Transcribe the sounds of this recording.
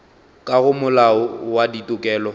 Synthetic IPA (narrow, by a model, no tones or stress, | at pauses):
kʼaɣʊmʊlaʊwaditʼʊkʼɛːlɔ